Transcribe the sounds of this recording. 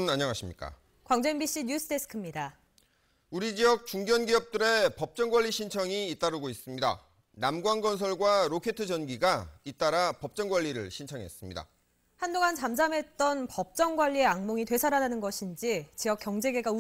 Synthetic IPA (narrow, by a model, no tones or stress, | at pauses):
naɲʌŋaɕʰimɲik͈a̰ | kwaŋd͡ʑe̞mbiɕ͈iɲus͈ʰɯdʰe̞sʰɯ̥kʰɯmɲida | uɾid͡ʑiʌk̚t͡ɕuŋɡjʌnɡiʌp̚t͈ɯɾe̞pʌp̚t͡ɕ͈ʌŋɡwaʎːiɕʰint͡ɕʰʌŋiːt͈aɾɯɡois͈ɯmɲida̰ | namɡwanɡʌns̬ʰʌɭɡwaɾokʰe̞tʰɯd͡ʑʌnɡiɡait͈aɾapʌp̚t͡ɕ͈ʌŋɡwaʎːiɾɯ̰ɭɕʰint͡ɕʰʌŋɦe̞̰s͈ɯmɲḭda̰ | handoŋant͡ɕamd͡ʑamɦe̞t̚t͈ʌnpʌp̚t͡ɕ͈ʌŋɡwaʎːie̞aŋmoŋitwe̞sʰaɾananɯnɡʌɕʰind͡ʑit͡ɕijʌkjʌŋd͡ʑe̞ɡe̞ɡau